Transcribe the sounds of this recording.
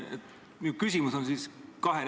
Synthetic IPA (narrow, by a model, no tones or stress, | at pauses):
ḛt̪ | miukysʲimuso̞nsiskɑɦen